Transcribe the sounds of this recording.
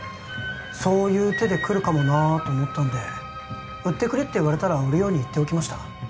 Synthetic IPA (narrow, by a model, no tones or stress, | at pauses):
so̞ːjɯ̟ːt̪e̞d̪e̞kɯ̟ɾɯ̟kamo̞nat̪o̞ːmot̪ːand̪e̞ | ɯ̟t̪ːe̞kɯ̟ɾe̞t̪ːeiβaɾe̞t̪aɾaɯ̟ɾɯ̟jo̞ːɲ̟iːt̪ːe̞okʲimaɕi̥t̪ḁ